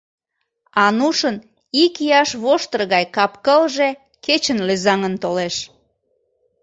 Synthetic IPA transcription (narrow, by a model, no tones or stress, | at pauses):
ɑnuʃən | ikjɑʃβoʃt̪ərɣɑjkɑpkəlʒe | ket͡ɕənløzɑŋənt̪oleʃ